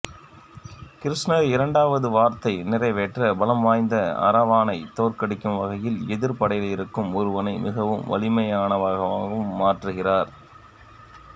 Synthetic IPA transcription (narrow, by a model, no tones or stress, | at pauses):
kɪɾɪʂnɐɪɾɐɳɖaːʋɐðɯʋaːɾt̪ɐɪnɪrɐɪʋɛʈrɐbɐlɐmʋaːjnd̪ɐɐ̰ɾɐʋaːnɐɪt̪oːrkɐɽɪkːɯmʋɐɣɐjɪlɛðɪɾpɐɽɐɪjlɪɾɯkːɯmɔɾɯʋɐnɐɪmɪɣɐʋɯmʋɐ̰ɭɪmɐjaːnɐʋaːɣɐʋaːɣɐɯmːaːʈrɯɣɪraːɾ